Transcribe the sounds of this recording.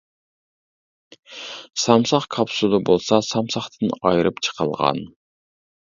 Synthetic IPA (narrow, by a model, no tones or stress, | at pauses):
sɑmsɑχkʰɑpsud̪ɑbolˠsɑsɑmsɑχt̪ʰɨnɑjɾɨpt͡ʃʰə̥qʰə̰lˠʁɑ̰n